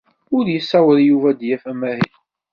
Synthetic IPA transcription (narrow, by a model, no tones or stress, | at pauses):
ʊɾjəsːæwəɾjuvæd̪jæfæmæɦil